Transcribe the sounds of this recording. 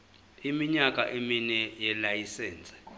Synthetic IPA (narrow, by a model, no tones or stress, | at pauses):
imiɲakʼaʔeminɛjɛlajisɛːnt͡sʼɛ̥